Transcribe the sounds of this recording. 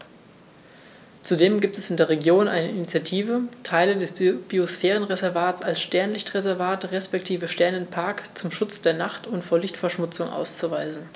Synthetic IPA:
t͡sudeːmɡiːp̚tɛsɪndeːɐʁ̞eɡjoːnʔa̰ɪnəɪnit͡sjatʰiːvətʰaɪlədɛsb̥iosfɛːʁ̞ənʁezɛɐvaːtt͡salsʃtɛɐnlɪçtʁezɛɐvaːtʁɛspɛktʰiːvəʃtɛɐnənpʰaɐkt͡sʊmʃʊt͡sd̥eːɐnaχtʰʊntfoːɐlɪçtfɛɐʃmʊt͡sʊŋʔa̰ʊst͡suvaɪzn̩

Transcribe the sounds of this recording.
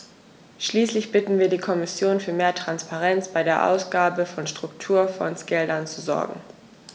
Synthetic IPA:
ʃliːslɪçb̥ɪtn̩viːɐdiːkʰɔmɪsjoːnfyːɐmeːɐtʁ̥anspaʁɛnt͡sb̥aɪɾeːɐʔa̰ʊsɡ̥aːbəfɔnʃtʁ̥ʊktʰuːɐfɔ̰nsɡ̥ɛldɐnt͡suzɔ̰ɐɡŋ̩

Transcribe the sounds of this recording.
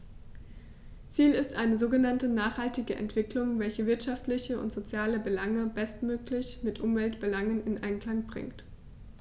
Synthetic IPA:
t͡siːlɪstʔaɪnəzoːɡənantənaːχhaltɪɡəʔɛ̰ntv̥ɪklʊŋvɛlçəvɪɐtʃaftlɪçəʊ̰ntz̥ot͡sjaːləbəlaŋəbɛstmøːklɪçmɪtʔʊmvɛltb̥əlaŋənɪnʔaɪnkl̥aŋbʁɪ̰ŋkt

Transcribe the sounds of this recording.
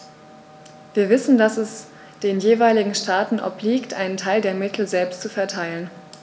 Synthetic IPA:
v̥iːɐvɪsn̩dasɛs | d̥eːnjeːvaɪlɪɡŋ̩ʃtaːtn̩ʔɔ̰pliːktʔaɪnəntʰaɪldeːɐmɪtʰl̩zɛlpstt͡sufɛɐtʰaɪlən

